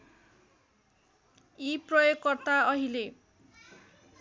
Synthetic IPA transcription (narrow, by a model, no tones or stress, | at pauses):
iprʌjoɡkʌrt̪aʌɦile